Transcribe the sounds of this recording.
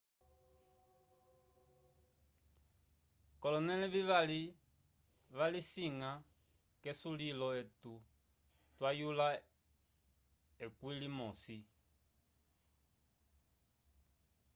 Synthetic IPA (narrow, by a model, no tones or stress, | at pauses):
kɔlɔnɛlɛviβali | βalisiŋa | kɛsulilɔɛtu | twajula | ɛkwilimɔsi